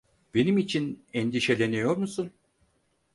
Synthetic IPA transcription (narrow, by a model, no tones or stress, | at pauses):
b̥e̞nimit͡ʃʰinɛnd̪iʃe̞lʲenijo̞ɾmusun